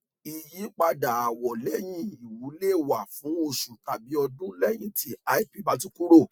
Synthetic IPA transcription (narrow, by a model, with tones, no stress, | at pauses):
i˧ji˨˦k͡pa˧da˨a˨wɔ˨lɛ˦j̃ĩ˧i˨wu˨˦le˦˨wa˨fũ˨˦o˧ʃu˨ta˨bi˨˦ɔ˧dũ˦lɛ˦˨j̃ĩ˦ti˦a˦i˦pi˨˦˨ba˨˦t̬ĩ˦ku˦ɾo˦˨